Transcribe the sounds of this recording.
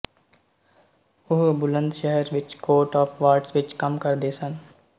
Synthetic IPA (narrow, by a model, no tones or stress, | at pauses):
ʊɦbʊlə̃nd̪ʃɛɦɛɾʋɪt͡ʃkoːɾʈɔːfʰʋaːɾɖsʋɪt͡ʃkɐmkɐɾd̪eːsə̃n